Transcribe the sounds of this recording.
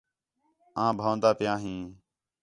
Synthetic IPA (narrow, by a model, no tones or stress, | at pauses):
ãːbʱãːnd̪aːpɪjãːɦĩː